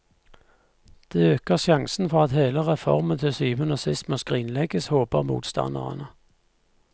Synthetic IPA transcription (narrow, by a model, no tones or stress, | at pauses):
d̪̥eːøːkəʁʃjɑŋsn̩fɔʁɑt̪heːləʁɛfɔ̰ʁmənt̪ʰɪlsyːʋənəsɪst̪moːskʁiːnlɛɡəshoːbəʁmṵːt̪st̪ɑ̰nd̪əʁə̰nə